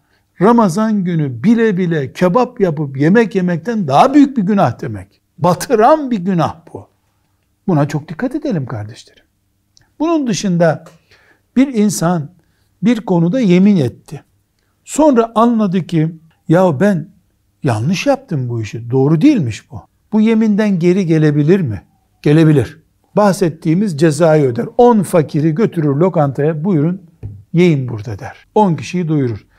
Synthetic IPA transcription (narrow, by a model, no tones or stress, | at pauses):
ɾamazanɟynybilʲɛbilʲɛcʰabapjapɯpje̞mɛcje̞mɛc̚t̪ʰænd̪aɦabyjyc̚biɟynahd̪e̞mɛc | bat̪ʰɯɾanbiɟynahb̥u | bunat͡ʃʰo̞k̚d̪̥ikʰːat̪e̞d̪elʲimkʰaɾd̪eʃleɾɯ̥m | bunund̪ɯʃɯnd̪a | b̥iɾinsan | biɾko̞nud̪aje̞minɛt̪ʰːɪ | so̞nɾaʔanlˠad̪ɯcʰi | jabæn | janˠlˠɯʃjap̚t̪ʰɯmbuiʃid̪o̞ːɾud̪ijilʲmiʃb̥u | b̥uje̞mind̪ænɟe̞ɾiɟe̞lʲe̞bilʲiɾmi | ɟ̥e̞lʲe̞bilʲiɾ̥ | bahsɛt̪ʰːiːmizd͡ʒe̞zaːjø̞d̪æɾonfacʰiɾiɟø̞t̪ʰyɾyɾlʲo̞kant̪ʰajabujɾun | je̞jinbuɾd̪ad̪æɾ̥o̞nci̥ʃijid̪ujuɾuɾ̥